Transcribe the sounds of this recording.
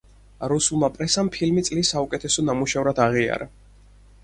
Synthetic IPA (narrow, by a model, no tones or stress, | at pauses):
ɾusulˠmapʼɾɛsampʰilmit̪sʼlisːaukʼɛt̪ʰɛsɔnamuʃɛvɾad̪aʁia̰ɾa